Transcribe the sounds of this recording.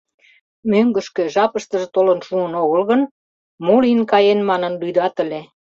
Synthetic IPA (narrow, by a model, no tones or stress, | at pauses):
møŋɡə̆ʃkø̆ʒɑpəʃt̪ə̆ʒĕt̪olənʃuənoɣəlɣən | molinkɑjenmɑnənlyd̪ɑt̪ə̆lʲe